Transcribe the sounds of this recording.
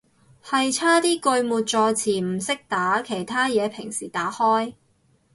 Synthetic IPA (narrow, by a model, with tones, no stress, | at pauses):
hɐ˨jt͡sʰaː˥t̪iː˥kɵ˧ɥmuː˨t̚t͡sɔː˧t͡sʰiː˨˩m̩˨˩sɪ˥k̚t̪aː˨˥kʰe˨˩jt̪ʰaː˥jɛː˨˧pʰɪ˨˩ŋsiː˨˩t̪aː˨˥hɔː˥j